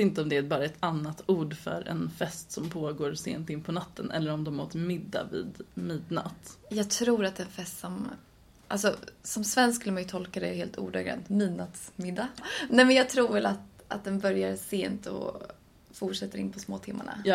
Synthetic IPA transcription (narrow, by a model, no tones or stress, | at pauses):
ɪnt̪əɔmd̪ɛæɾbɑːɾaɛt̪anːat̪uːɖfœ̰ɾɛ̰nfɛst̪sɔmpʰoːɡoːɾsḛːnt̪ɪnːpʰɔnat̪ʰːənʔɛ̰lːəɾɔmd̪ɔmoːt̪mɪd̪ːa̰vḭːd̪miːd̪na̰t̪jɑːɡt̪ʰɾuːɾat̪̚d̪ɛnfɛst̪sɔm | ʔa̰lsɔsɔmsvɛnsskɵlːəmajɵt̪ʰɔlkad̪ɛjheːlt̪ʰṵːɖaɡɾɛ̰nt̪miːd̪nat̪smɪd̪ːanɛmɛnjɑːɡ̚t̪ʰɾuːɾvɛlat̪ | at̪̚d̪ɛnbœɾjaɾseːnt̪ɔ̰ | fʊʈʂɛt̪ːəɾɪ̰npʰɔsmoːt̪ʰɪmːa̰ɳa̰